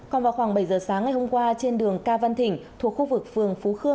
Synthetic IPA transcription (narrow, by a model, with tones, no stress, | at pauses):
kɔ˨˩nvaː˨˩wxwaː˧˩ŋɓə˧˩jzəː˨˩saː˨˦ŋːa˨˩jho˧ŋ͡mkwaː˧t͡ɕe˧nɗɨ˨˩əŋkaː˧va˧nt̪ʰï˧˩ŋ̟t̪ʰu˨˩ək̚xu˧vɨ˨˩k̚fɨ˨˩əŋfu˨˦xɨ˧ə